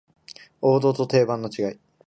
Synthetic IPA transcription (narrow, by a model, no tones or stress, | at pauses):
o̞ːd̪o̞ːt̪o̞t̪e̞ːbãnːo̞t͡ɕiɡai